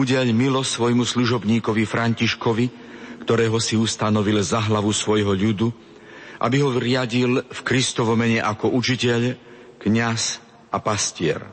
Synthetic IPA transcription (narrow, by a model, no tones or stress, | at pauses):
uɟɛʎmilɔsʋɔjmusluʒɔbɲiːkɔʋifɾaɲciʃkɔʋi | kt̪ɔɾɛːɦɔsiust̪anɔʋilzaɦlaʋusʋɔjɦɔʎud̪u | ʔa̰biɦɔɾɪaɟilfkɾist̪ɔʋɔmɛɲɛʔakɔʔut͡ʃicɛʎ | kɲas | ʔapascɪɛ̰ɾ